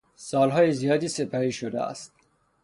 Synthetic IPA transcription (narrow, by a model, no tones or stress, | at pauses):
sɒːlɦɒːjezijɒːd̪iːsepʰæɾiːʃod̪ḛæ̰st̪̚